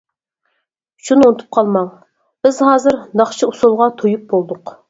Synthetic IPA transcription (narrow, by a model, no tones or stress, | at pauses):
ʃʰununt̪ʰu̥p̚qʰɑlˠmɑŋ | b̥ɪzhɑːzɨɾnɑχt͡ʃʰiusulˠʁɑt̪ʰojup̚bolˠd̪ʊq